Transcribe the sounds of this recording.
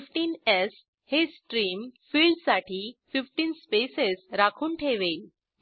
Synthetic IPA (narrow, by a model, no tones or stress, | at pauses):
fʈiːnes | hesʈɾiːmfiːlɖsaʈʰiːfifʈiːnspesesɾakʰuːnʈʰeʋeil